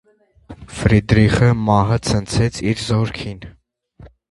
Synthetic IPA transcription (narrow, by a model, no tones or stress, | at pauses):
fɾid̪ɾiχəmɑɦət͡sʰənt͡sʰɛt͡sʰiɾzɔɾkʰin